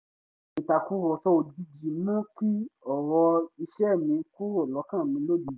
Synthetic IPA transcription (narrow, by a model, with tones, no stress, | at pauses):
nĩ˨ta˨ku˦ɾɔ˨sɔ˧˦o˧˨di˧d͡ʒi˨nũ˦ki˦ɔ˨wɔ˧i˧ʃɛ˦˨mĩ˨˧ku˦ɾɔ˦˨lɔ˨˦kã˦˨mĩ˧˦lo˦˨di˨˧˨